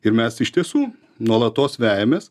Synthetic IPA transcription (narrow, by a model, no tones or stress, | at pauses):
ɪɾmʲɛsɪʃʲt̪ʲiɛsuː | nuɔlˠɐt̪oːsʋʲæːjɛmʲeːs